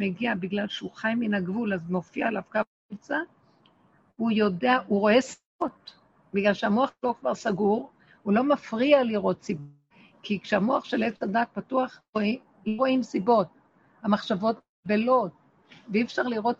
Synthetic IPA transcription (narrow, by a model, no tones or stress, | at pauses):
meɡiabiɡlalʃeuχajminaɡvulazmo̞fiaelavka | et͡sa | hujo̞deaʔuʁo̞esibot | biɡlalʃeamoaχlo̞kvaʁsaɡuʁ | ulo̞mafʁialiʁo̞tsibo | kikʃeamoaχʃelet͡sadak̚patuaχoi | loʁoimsibo̞t̚ | hamaχʃavo̞t | belo̞t̚ | veifʃaʁliʁo̞t